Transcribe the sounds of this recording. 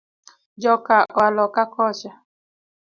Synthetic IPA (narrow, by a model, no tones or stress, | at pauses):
d͡ʒɔkaʔɔlɔkakɔt͡ʃa